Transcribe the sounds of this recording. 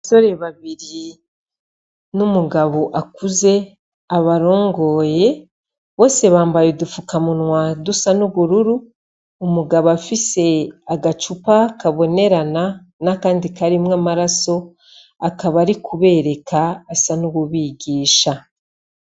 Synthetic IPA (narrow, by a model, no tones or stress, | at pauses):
aso̞ɾe̞βaβiɾi | numuɡaβo̞ʔakuze̞ | aβaɾo̞ːŋɡo̞ːje̞ | βo̞ːse̞βaːmbajedufukamunwadusanuβuɾuɾuː | muɡaβoafise̞aɡat͡ʃupakaβo̞ne̞ɾana | nakaːndikaɾimwaːmaɾaso̞ | akaβaɾikuβe̞ːɾe̞kaːsanuβuβiɡiːʃa